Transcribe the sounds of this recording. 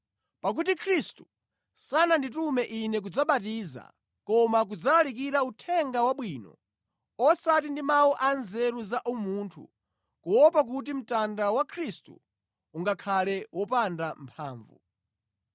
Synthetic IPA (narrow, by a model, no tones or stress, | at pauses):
pak̬ut̬ikʰɾistu | sananditumɛʔinɛk̬ud͡zaɓatiːza̰ | kɔmak̬ud͡zalalik̬iɾautʰɛŋɡawaɓwiːnɔ̰ | ɔsat̬indimauʔanzɛɾuzaʔumuːntʰṵ | kuwɔpak̬utim̩tandawakʰɾistṵː | ŋɡakʰalɛwʔɔpandampʰaːɱvṵ